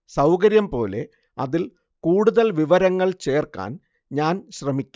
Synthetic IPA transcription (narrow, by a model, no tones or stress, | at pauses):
sɐwkɐɾjɐmpo̞̰ːle̞ | ɐðil | kuːɽuðɐlʋiʋɐɾɐŋːɐɭt͡ɕe̞ːrka̰ːn | ɲaːnɕrɐmikʲːu